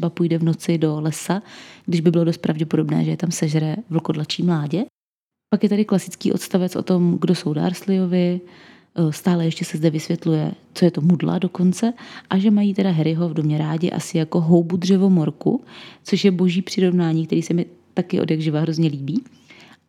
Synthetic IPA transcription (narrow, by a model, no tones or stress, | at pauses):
ɛbapujdɛvno̞t͡sɪdo̞lɛsaɡdɪʒbɪbɪlo̞dost̪pɾavɟɛpo̞dobnɛ̰ːʒɛjɛt̪amsɛʒɾɛvl̩ko̞dlat͡ʃiːmlaːɟɛ | pakjɛt̪adɪklasɪt͡skḭːʔo̞t̪st̪avɛt͡sʔo̞̰t̪o̞mɡdo̞so̞wda̰ːɾslɪjo̞vɪ | st̪aːlɛjɛʃcɛsɛzdɛvɪsvjɛt̪lujɛ̰ | t͡so̞jɛt̪o̞mudla̰do̞ko̞nt͡sɛʔaʒɛmajiːt̪ɛdaɦɛɾɪɦo̞vdomɲɛɾaːɟɪ̰ʔa̰sɪjako̞ɦo̞wbudr̝ɛvo̞mo̞ɾkṵt͡so̞ʃjɛbo̞ʒiːpr̝̥ɪɾo̞vnaːɲiːkt̪ɛɾiːsɛmɪ | t̪akɪʔodjaɡʒɪvaɦɾo̞zɲɛliːbiː